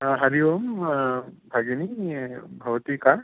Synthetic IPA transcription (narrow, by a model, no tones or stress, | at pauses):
ɦɐɾiʋom | bʱɐɡinibʱɐʋɐt̪ikaɾ